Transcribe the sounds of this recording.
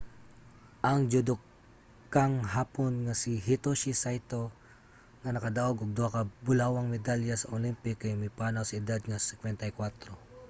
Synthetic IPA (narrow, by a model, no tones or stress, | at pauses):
ʔɐŋd͡ʒʊd̪ok | kːaŋɦaːponŋɐsiɦit̪oʃisajt̪o̞ | ŋɐnɐkɐd̪aʔoɡʊɡ̚d̪oakɐbʊlawɐŋmɛd̪aljɐsɐʔolimpɪkʔajmɐjpaːnawsɐɪd̪ad̪̚ŋɐsɪkwɛnt̪ɐjkwat̪ɾo